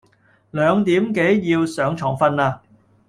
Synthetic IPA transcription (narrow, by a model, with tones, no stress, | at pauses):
lœː˨˧ŋt̪iː˨˥mke˨˥jjiː˧wsœː˨˥ŋt͡ʃʰɔː˨˩ŋfɐ˥naː˧